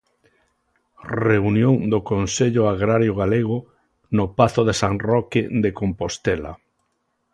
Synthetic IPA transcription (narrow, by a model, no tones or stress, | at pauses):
reunjõŋd̪okonseʎʊaɣɾaɾjoɣaleɣ̞ʊ | nopaθʊðesaŋrɔked̪ekompost̪ɛla̰